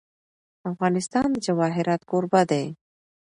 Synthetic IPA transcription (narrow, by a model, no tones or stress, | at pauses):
afɣɑnɪst̪ɑnd̪əd͡ʒawɑɦɪɾɑt̪koɾbad̪aj